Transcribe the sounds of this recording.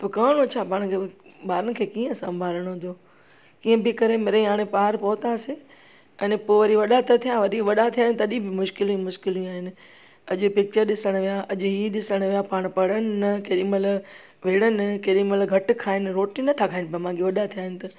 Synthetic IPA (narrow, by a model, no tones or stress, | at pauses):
t̪okɐːɽ̃õt͡ɕʰaːpaːɽ̃kʰeɓaːɾənɪ̆kʰeːkiːə̃sɐ̃mbʱaːləɽ̃ɦʊ̃nd̪o | kiːə̃bɪkɐɾemeːɾẽɦaːɽ̃ẽpaːɾpɔːt̪ase | ɛːnpoːʋɐɾiʋɐɗat̪ɐt̪ʰijãʋɐɾiʋɐɗat̪ʰijəñt̪ɐɐɗĩbʱɪmʊʃkɪlĩmʊʃkɪlĩaːɦɪnɪ̆ | ɐʄʊpɪk̚t͡ɕəɾɗɪsəɽ̃ʋijaʔɐʄʊɦiɗɪsəɽ̃ʋijapaːɽ̃pɐɽənɪnɐkeːɗĩmɐl | ʋeːɽ̃ənɪkeɗĩmɐlɡʱɐʈkʰaːɪnɪ̆ɾoːʈinɐt̪ʰakʰaːɪnɪpɐm̤ãːŋɡeʋɐɗat̪ʰijaːɦɪnɪ̆t̪ɐ